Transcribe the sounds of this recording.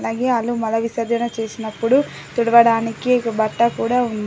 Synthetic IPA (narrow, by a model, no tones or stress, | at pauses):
laːɡe̞ːɐlumɐlɐʋisɐd͡ʒ̪ɐnɐt͡ʃe̞ːsinɐpːuɽu | t̪uɽɐʋɐɽaːnikikɐbɐʈːɐkuːɽaːun